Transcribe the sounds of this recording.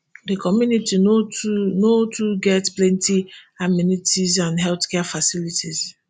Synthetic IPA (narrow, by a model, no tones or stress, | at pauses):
dekɔmjuniti | notʰuɡɛtplɛ̃ntiaminitizãndɦɛlθkɛafasilitiz